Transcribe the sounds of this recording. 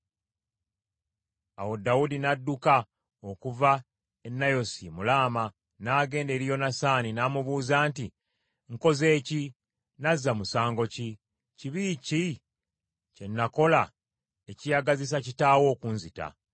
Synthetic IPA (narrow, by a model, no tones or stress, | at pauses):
awo̞dawudinadːuka | o̞kuva | enːajo̞simulaːma | naɡe̞ːnde̞ɾijo̞nasaːninamuβuːzaːnti | ŋko̞ze̞ːci | nazːamusaːŋɡo̞ci | ciβiːci | ce̞nːako̞la | ecijaɡazis̬acitaːwo̞ːkunzita̰